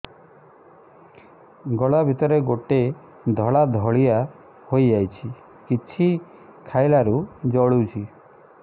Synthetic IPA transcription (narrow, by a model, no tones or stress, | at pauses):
ɡɔɭabʱit̪ɔɾeɡoʈe | d̪ʱɔɭad̪ʱɔɭia | hojd͡ʒajt͡ʃʰi | kit͡ʃʰi | kʰajlaɾud͡ʒɔɭut͡ʃʰi